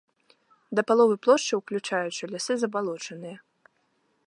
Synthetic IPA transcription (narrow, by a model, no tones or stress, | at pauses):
d̪ɐpalˠɔvɨplˠɔʂt͡ʂɨwklʲut͡ʂajut͡ʂɨlʲasɨzɐbalˠɔt͡ʂɐnɨjɐ